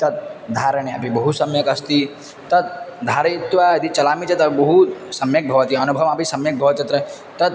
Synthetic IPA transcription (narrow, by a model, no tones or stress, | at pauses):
t̪ɐt̪̚d̪ʱaɾəɳ̃eɐ̰pibɐɦusɐmjəkɐst̪i | t̪ɐt̪̚d̪ʱaːɾet̪ʋajɐd̪it͡ʃɐlaːmit͡ʃʰet̪ɐbɐɦusɐmjək̚bʱɐʋət̪iɐnubʱɐʋmapisɐmjək̚bʱɐʋɐt̪jɐt̪ɾə | t̪ɐt̪